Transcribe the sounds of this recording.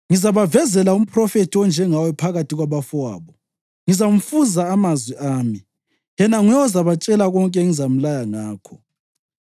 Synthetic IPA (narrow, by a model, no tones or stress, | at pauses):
ŋizaβavɛzɛlaum̩pʰʼrɔfetʰiwɔnd͡ʒʱɛŋawɛpʰaɣatʰiɣwaβafwa̰ːβɔ | ŋizam̩fuzaːmazwiʔaːmi | jɛnaŋjɛɔzaβat͡ʃʼɛlaɣɔŋkʼɛŋizam̩lajaŋaːkʰɔ